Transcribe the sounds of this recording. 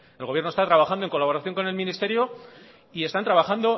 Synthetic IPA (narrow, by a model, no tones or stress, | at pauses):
e̞lɣo̞βje̞ɾnost̪at̪ɾaβaxand̪oŋko̞laβo̞ɾaθjo̞ŋko̞ne̞lmĩnist̪e̞ɾjo | ie̞st̪ant̪ɾaβaxand̪o̞